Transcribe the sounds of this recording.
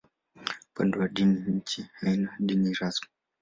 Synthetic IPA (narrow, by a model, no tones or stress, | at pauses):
pɛ̰nduwaɗiniɲ̩t͡ʃihainaɗiniɾasɔ̥